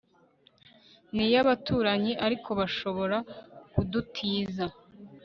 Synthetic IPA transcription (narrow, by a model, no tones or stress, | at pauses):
nijaβatuːɾaɲiʔaɾikʰo̞βaʃo̞βo̞ɾakudutʰiːza